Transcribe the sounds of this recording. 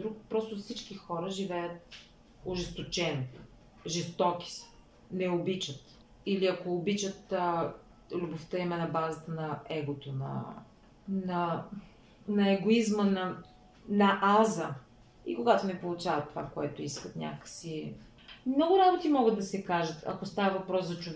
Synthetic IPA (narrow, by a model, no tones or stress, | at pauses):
d̪ɾukpɾɔst̪ʊfsit͡ʃkixɔɾəʒivɛjət̪̚ | ʊʒɛst̪ot͡ʃɛn | ʒɛst̪ɔk̟i̥s | nɛobit͡ʃət̪ | iliɐkoːbit͡ʃət̪ː | lʲʊboft̪əimɛnɐbazət̪ənɐɛɡot̪onɐ̰ | nɐ | nɐɛɡoizmənɐ | nɐʔazə | ḭkoɡat̪onɛpolˠʊt͡ʃavət̪ːovakoɛt̪oiskət̪nʲa̰kə̥si | mnɔɡʊɾabot̪imɔɡəd̪ːɐsɛkaʒət̪ɐ̰kost̪avəvɐpɾɔszɐt͡ʃʊv